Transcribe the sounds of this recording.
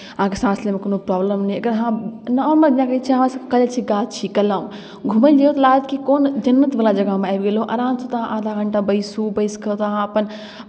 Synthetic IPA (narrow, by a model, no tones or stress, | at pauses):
ɦãːkesãːslemẽkɐnopɾaːbləmnĩɐɡəɾɦãːnɐɔːɾmɐãːkɐit͡ʃʰiãʋãsɐkɐlt͡ʃʰiɡaːt̪t͡ʃʰikɐlãːũ | ɡʱuməld͡ʒɐjot̪ɐlaːt̪kikoːnd͡ʒɐnːət̪ʋəlad͡ʒɐɡamẽaːjʋɡeloʔɐɾãːnsʰot̪ɦãʔãːd̪ʱaɡɐɳʈãbɐisuːbɐiskʰɐot̪ɦãɐpən